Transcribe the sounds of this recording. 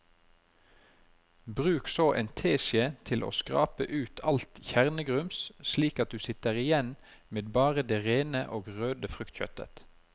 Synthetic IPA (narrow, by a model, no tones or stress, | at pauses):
bʁʉːksoːʔḛːnt̪ʰeːʃət̪ʰɪlʔo̰ːskʁɑ̰ːpəʔʉːt̪ʰɑlt̪çæʁnəɡʁʉmssliːkɑt̪̚d̪ʉːsɪt̪əʁɪjɛn | meːd̪̚bɑːʁəd̪eːʁeːnəʔoːɡʁøːd̪əfʁʉkt̪çœ̰t̪ə̰t̪